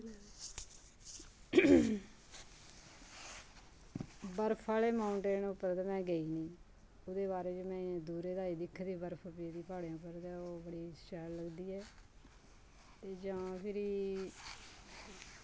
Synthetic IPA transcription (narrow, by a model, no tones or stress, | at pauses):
bəɾpʰaːleːmaːʊɳʈeːnʊpːəɾd̪aːmɛ̃ːɡəiːnĩː | ʊd̪eːβaːɾeːd͡ʒeːmɛ̃ːd̪uːɾeːd̪aːiːd̪ɪkʰːd̪iːbəɾpʰəpid̪iːpaːɽeãːʊpːəɾd̪ɛːoːbəɽiːst͡ʃɛːlləɡd̪iːɛː | t̪eːd͡ʒãːpʰɪɾiː